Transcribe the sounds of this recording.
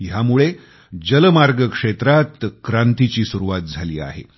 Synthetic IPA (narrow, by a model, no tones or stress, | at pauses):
jamuɭe | d͡ʑələmaɾɡəkʂet̪ɾat̪kɾant̪it͡ɕiːsuɾuʋat̪̚d͡zʱaliːa̰ɦḛ